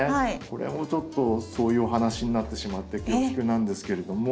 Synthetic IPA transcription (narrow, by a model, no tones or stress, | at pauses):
aiko̞ɾḛmo̞t͡ɕo̞t̪ːo̞so̞ːjɯ̟ːoɦanaɕiɲ̟inat̪ːe̞ɕimat̪ːe̞kʲeːkʲi̥kɯ̟nãnd̪e̞sɨ̥ke̞ɾe̞d̪omo